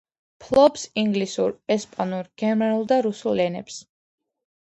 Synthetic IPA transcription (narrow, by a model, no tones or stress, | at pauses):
pʰlˠɔbsiŋɡlisuɾɛspʼanuɾɡ̥ɛmɛɾulˠd̪aɾusulːɛnɛ̰ps